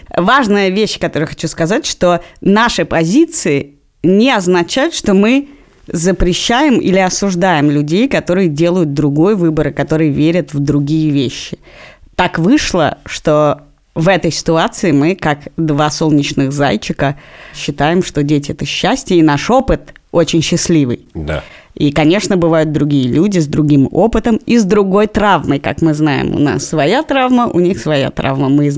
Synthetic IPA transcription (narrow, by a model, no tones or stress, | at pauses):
vaʐnɨjəvʲeɕːkɐt̪o̞ɾəɨjəxɐt͡ɕuskɐzatʲʂt̪o̞naʂɨpɐzʲit̪sɨɪ | nʲɪɐznɐt͡ɕæjʊt̪ʂt̪o̞mɨ | zəpɾʲɪɕːæjɪmḭlʲɪɐsʊʐd̪ajɪmlʲʉdʲejkɐt̪o̞ɾɨjədʲe̞lˠəjʊt̪̚d̪ɾʊɡo̞jvɨbəɾɨkɐt̪o̞ɾɨjəvʲeɾʲət̪vd̪ɾʊɡʲijəvʲeɕːɪ̥t̪akvɨʂlˠə̰ʂt̪o̞ | vɛt̪əjsʲɪ̥t̪ʊat̪sɨɪmɨkakd̪vaso̞lˠnʲɪt͡ɕnɨɣza̰jt͡ɕːɪkəɕːɪt̪ajɪmʂt̪o̞dʲetʲɪɛt̪əɕːæsʲtʲəɪnaʂo̞pɨt̪o̞t͡ɕɪnʲɕːɪsʲlʲivɨ̰jd̪a̰ | ikɐnʲe̞ʂnəbɨvajʊt̪̚d̪ɾʊɡʲijəlʲudʲɪzd̪ɾʊɡʲimo̞pɨt̪əmizd̪ɾʊɡo̞jt̪ɾavməjka̰kmɨznajɪ̰mʊ̰na̰sːvɐjat̪ɾavməʔʊnʲixsvɐja̰t̪ɾʔa̰vməmɨ